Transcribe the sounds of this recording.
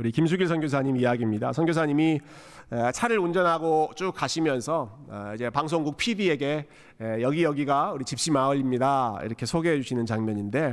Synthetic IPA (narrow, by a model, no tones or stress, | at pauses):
uɾikimsʰuɡiɭsʰʌŋɡjos̬ʰaɲimijaɡimɲida̰sʰʌŋɡjos̬ʰaɲimi | et͡ɕʰaɾɯɾund͡ʑʌnɦaɡot͡ɕ͈uk͈̚aɕʰimjʌnsʰʌ | id͡ʑe̞paŋs̬ʰoŋɡuk̚pʰidie̞ɡe̞ | jʌɡijʌɡiɡauɾit͡ɕip̚ɕ͈imaɯʎːimɲidaḭɾʌkʰe̞sʰoɡeɦed͡ʑuɕʰinɯnt͡ɕaŋmjʌɲinde̞